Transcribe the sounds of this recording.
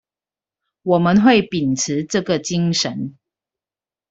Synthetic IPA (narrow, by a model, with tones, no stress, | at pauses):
wɔ˨˩mə˦nxwe˥˨ɪpi˨˩nt͡s̩ʰ˨˦ʈ͡ʂɤ˥˨ɡə˨t͡ɕi˦ŋʂə˨˦n